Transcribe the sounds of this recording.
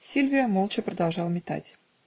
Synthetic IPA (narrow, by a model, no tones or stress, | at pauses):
sʲilʲvʲijəmolˠt͡ɕəprəd̪ɑlˠʒɑlˠmʲɪt̪a̰tʲ